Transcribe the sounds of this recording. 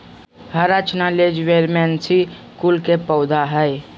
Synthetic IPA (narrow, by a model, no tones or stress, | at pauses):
həɾat͡ʃnaled͡ʒʋeːɾmɛ̃ːnsi | kulkepəʊd̪aɦəe